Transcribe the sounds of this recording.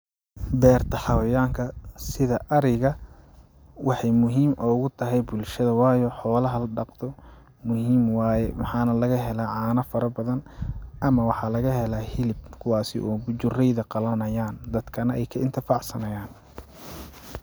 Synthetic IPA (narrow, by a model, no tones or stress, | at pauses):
d̪ɛːrt̪ʰɐħɑwɐjaːŋkʰɐsɪðɐʔɐɾɛjɣɐ | wɑħɑjmʊɦiːmʔɔːɣʊt̪ʰɐɦɛjbʊlʃɐðɐwɑːjɔħɔːlɐɦɐlɖɑqt̪ʰɔ | mʊɦiːmwɑːjɛmɑħɑːnɐlɐɣɐɦɛlaːʕɑːnɐfɐɾɐbɐðɐnʔɐmɐwɑħɑlɐɣɐɦɛlaːhɪlɪbkʰʊwɑːsɪʔɔːd͡ʒʊrɛjðɐqɑlɐnɐjaːnd̪ɐd̪̥kʰɐnɐʔɛjkʰɐɪnt̪ʰɪfɑʕsɐnɐjaːn